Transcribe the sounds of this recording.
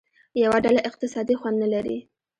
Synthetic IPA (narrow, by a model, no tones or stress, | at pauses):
jawaɖalaʔɪq̚t̪ɪsɑd̪ixwand̪nalaɾḭ